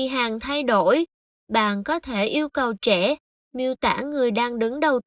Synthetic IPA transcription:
ɦaː˨˩ŋt̪ʰa˧jɗo˧˩j | ɓa̰ː˧˨nkɔ˨˦t̪ʰe˧˩ʔi˧əwkə˨˩wt͡ɕɛ˧˩ | mi˧wt̪a̰ː˧˩ŋɨ˨˩əjɗaː˧ŋɗɨ˨˦ŋɗə˨˩w

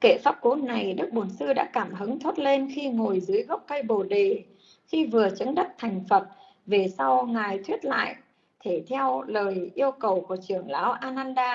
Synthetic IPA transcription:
ke˧˩faː˦˥p̚ko˨˦nna˨˩jɗɨ˦˥k̚ɓo˨˩nsɨ˧ɗa̰ː˧˥kaː˧˩mɦə˨˦ŋt̪ʰo˦˥t̚le˧nxi˧ŋo˨˩jzɨ˨˦əjɣə˦˥k͡p̚kə˧jɓo˨˩ɗe˨˩ | xi˧vɨ˨˩ət͡ɕə˨˦ŋɗə˦˥t̚t̪ʰa˨˩jŋ̟fə˨˩t̚ | ve˨˩sa˧wŋaː˨˩jt̪ʰwi˦˥ət̚la̰ː˧˨jʔ | t̪ʰe˧˩t̪ʰɛ˧wləː˨˩jʔi˧əwkə˨˩wku˧˩ət͡ɕɨ˧˩əŋlaː˨˦wʔaː˧naː˧nɗaː˧

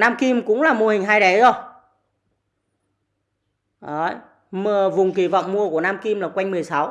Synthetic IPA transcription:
naː˧mki˧mkʊ̰˧˥ŋ͡mlaː˨˩mu˧˩əhï˨˩ŋ̟ɦaː˧jɗə˨˦jzo˧ | ʔə˨˧˩j | məː˨˩vʊ˨˩ŋ͡mki˧˩vɔ̰˧˨wŋ͡mmu˧əku˧˩ənaː˧mki˧mlaː˨˩kwa˧jŋ̟mɨ˨˩əjsa˨˦w

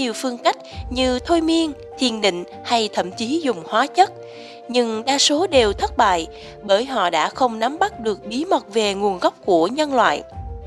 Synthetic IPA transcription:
i˨˩əwfɨ˧əŋka˦˥jk̟̚ɲɨ˧t̪ʰo˧jmi˧ən | t̪ʰḭ˧˩ənɗḭ̈˧˨ŋ̟ | ha˧jt̪ʰə̰˧˩mt͡ɕi˨˦zʊ˨˩ŋ͡mhwaː˨˦t͡ɕə˦˥t̚ | ɲɨ˧ŋɗaː˧so˨˦ɗe˨˩wt̪ʰə˦˥t̚ɓa̰ː˧˨j | ɓəː˧˩jɦɔ̰˧˨ɗa̰ː˧˥xə˧wŋ͡mna˨˦mɓa˦˥t̚ɗɨ˨˩ək̚ɓi˨˦mə˨˩t̚ve˨˩ŋu˨˩ənɣa˦˥wk͡p̚ku˧˩əɲə˧nlwa̰ː˧˨j

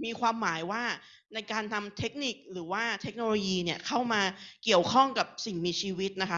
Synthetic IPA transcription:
miː˧kʰwaː˧mːaː˩˦jwaː˥˩ | na˧jkaː˧nt̪ʰa˧mt̪ʰe˦˥k̚ni˨˩k̚ɾɯː˩˦waː˥˩t̪ʰe˦˥k̚noː˧loː˧jiː˧ni˥˩ɐkʰa˥˩wmaː˧ki˨˩əwkʰɔ˥˩ŋka˨˩p̚si˨˩ŋmiː˧t͡ɕʰiː˧wi˦˥t̪̚na˦˥kʰa˦˥

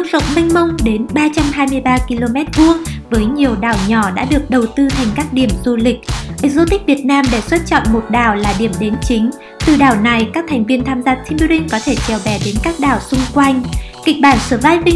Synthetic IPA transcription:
ə˧˦˥zə̰˧˨wŋ͡mmï˧ŋ̟mə˧wŋ͡mɗe˨˦nɓaː˧t͡ɕa˧mɦaː˧jmɨ˧əjɓaː˧ki˧lo˧mɛ˦˥t̚ɓu˧əŋvəː˨˦jɲi˨˩əwɗaː˨˩wɲɔ˧˩ɗa̰ː˧˥ɗɨ˨˩ək̚ɗə˨˩wt̪ɨ˧t̪ʰjŋ̟kaː˦˥k̚ɗi˧˩əmzu˧lï˨˩k̟̚ʔə˨˦˥k̚zo˧t̪ï˦˥k̚vi˨˩ət̚naː˧mɗe˧˩swə˦˥t̚t͡ɕɔ̰˧˨nmo˨˩t̚ɗaː˨˩wlaː˨˩ɗi˧˩əmɗe˨˦nt͡ɕï˨˦ŋ̟ | t̪ɨ˨˩ɗaː˨˩wna˨˩jkaː˦˥k̚t̪ʰɛ˨˩jŋ̟vi˧ənt̪ʰaː˧mzaː˧˩si˧nɓi˧ɾi˧ŋkɔ˨˦t̪ʰe˧˩t͡ɕɛː˨˩wvɛ˧˩ɗe˨˦nkaː˦˥k̚ɗaː˨˩wsʊ˧ŋ͡mkwa˧jŋ̟ki˨˧˩k̟̚ɓaː˧˩nsɨː˨˧˩vaː˧jvi˧

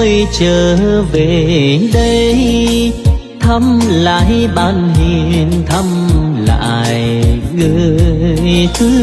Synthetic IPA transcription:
jt͡ɕəː˨˩ve˨˩ɗə˧j | t̪ʰə˧mla̰ː˧˨jɓaː˧nhi˧˩nt̪ʰə˧mla̰ː˧˨jɣə˧˦jt̪ʰɨ˨˧˦

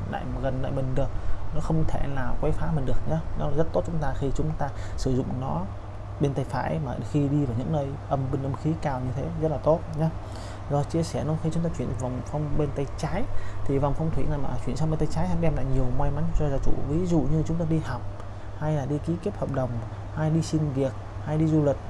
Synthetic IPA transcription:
la̰ː˧˨jɣə˨˩nla̰ː˧˨jmï˨˩ŋ̟ɗɨ˨˩ək̚nɔ˨˦xə˧wŋ͡mt̪ʰe˧˩laː˨˩kwɛ˨˦jfaː˨˦mï̟˨˩ɗɨ˨˩ək̚ɲaː˨˧nɔː˨˦˨zt̚t̪o˦˥t̚t͡ɕʊ˨˦ŋ͡mt̪aː˧xi˧t͡ɕʊ˨˦ŋ͡mt̪aː˧sɨ˧˩zʊ̰˧˨ŋ͡mnɔ˨˦ | ɓe˧nt̪ə˧jfa̰ː˧˨jmaː˨˩xi˧ɗi˧vaː˨˩wɲɨ̰˧˥ŋnəː˧j | ʔə˧mɓï˧ŋ̟ʔə˧mxi˨˦kaː˧˩wɲɨ˧t̪ʰe˨˦zə˦˥t̚laː˨˩t̪o˦˥t̚ɲaː˨˦ | zɔ˨˩t͡ɕi˧əsɛ˧˩nɔ˨˦xi˧t͡ɕʊ˨˦ŋ͡mt̪aː˧t͡ɕwi˧˩ənva˨˩wŋ͡mfa˧wŋ͡mɓe˧nt̪ə˧jt͡ɕaː˨˦jt̪ʰi˨˩va˨˩wŋ͡mfa˧wŋ͡mt̪ʰwḭ˧˩na˨˩jmaː˨˩˨t͡ɕwi˧˩ənsa˧ŋ͡mɓe˧nt̪ə˧jt͡ɕaː˨˦jha˧jʔɛ˧mla̰ː˧˩ɲi˨˩əwmwa˧jma˨˦nt͡ɕɔ˧˩zaː˧˩wt͡ɕṵ˧˩vi˨˦zṵ˧˨ɲɨ˧t͡ɕʊ˨˦ŋ͡mt̪aː˧ɗi˧ha˨˩wk͡p̚ | ha˧jlaː˨˩ɗi˧ki˨˦ki˦˥əp̚hə˨˩p̚ɗə˨˩wŋ͡m | ha˧jɗi˧si˧nvi˨˩ək̚ha˧jɗi˧zu˧li˨˩k̟̚

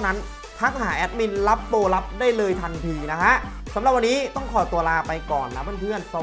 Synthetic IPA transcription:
wna˦˥n | t̪ʰa˦˥k̚haː˩˦ʔɛ˦˥t̪̚mi˧nla˦˥pːoː˧la˦˥p̚daː˥˩jlɤː˧jt̪ʰa˧nt̪ʰiː˧na˦˥kʰa˦˥ʔ | sa˨˩˦mɾa˨˩p̚wa˧nːiː˦˥t̪ɔ˥˩ŋkʰɔː˨˩t̪u˧ɐlaː˧pa˧jkɔː˨˩nːa˦˥ba˥˩npʰɯ˥˩ənsa˧

